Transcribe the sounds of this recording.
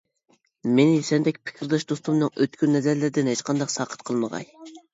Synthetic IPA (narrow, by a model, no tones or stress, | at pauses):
menɪjysɛnd̪ɛkʲpʰɪ̥kʲʰiɾd̪ɨʃd̪ost̪umnɨŋøt̪kʲynnɛzæɾlɪɾɪd̪ɪnhet͡ʃqʰɑnd̪ɑqsɑːqʰə̥t̪qʰəlˠməʁɑ̰j